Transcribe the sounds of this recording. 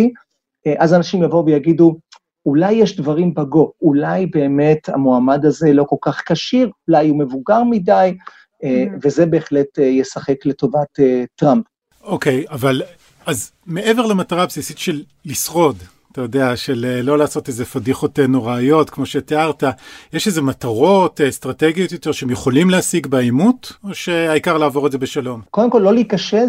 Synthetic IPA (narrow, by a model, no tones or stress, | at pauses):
i | eʔazanaʃimjavo̞uvejaɡidu | ulajːeʃdvaʁimbaɡo̞ulajbe̞ːme̞ta̰moamadaze̞lo̞ko̞lkaχkaʃiʁulajume̞vuɡaʁmidaj | eve̞ze̞be̞ːχle̞tejesaχe̞kle̞to̞vatetʁamp | oke̞javal | az | me̞ʔeveʁlemataʁabsisitʃelːisʁo̞datajo̞deaʃe̞lelo̞laːso̞tezefadiχo̞tenuʁeːjo̞tkmo̞ʃe̞teaʁtajeʃezemataʁo̞tstʁateɡijo̞t̪jo̞teʃehemjeχo̞limlehasiɡbeajmuto̞ʃe̞aikaʁlaːvo̞ʁetze̞be̞ʃalo̞mkodemko̞lːo̞liikaʃe